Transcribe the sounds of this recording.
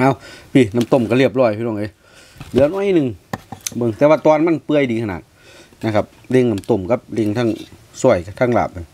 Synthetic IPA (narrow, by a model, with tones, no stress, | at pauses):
ʔaː˧˨wpʰi˧˩na˧˩mt̪o˧˩mka˧˩li˧˩əp̚lɔː˧˩jpʰi˧nɔː˧˩˨ŋa˧˨ | lɯ˧˦ə˨nʔɔː˧˨jʔi˧˨nɯ˧˨ŋbɤ˧ŋt̪ɛː˧waː˧t̪ɔː˧˨nma˧˥˨npɯ˧əjdiː˧kʰa˧˨na̰˧˨ | na˧kʰa˧p̚ | le˧˨ŋna˧˩mt̪o˧˩mka˧p̚le˧˨ŋt̪ʰaː˧˨ŋsu˧˩əjkt̪ʰaː˧˥˨ŋla̰ː˨˩p̚ːa˧˨n